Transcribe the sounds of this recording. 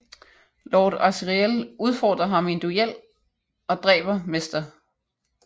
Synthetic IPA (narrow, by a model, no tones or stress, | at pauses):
lɒːd̥ɑsʁieluð̞ˠfɒ̰ːd̥ʁɐɦɑ̈me̝nd̥uel̰ | ɒ̽d̥ʁɛ̰ːb̥ɐmesd̥ɐ